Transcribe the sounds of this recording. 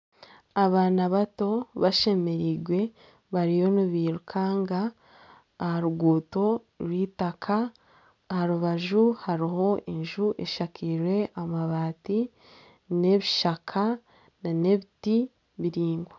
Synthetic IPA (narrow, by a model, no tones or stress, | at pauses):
aβaːnaβato̞βaʃe̞me̞ɾiːɡwe̞ | βaɾijo̞nuβiːɾukʰaːŋɡaː | haɾuɡuːto̞ | ɾwiːtakʰaː | haɾuβaʒuhaɾiho̞enʒuʔe̞ʃakʰiɾwe̞amaβaːti | ne̞βiʃakʰa | nane̞βiti | βiɾiːŋɡwe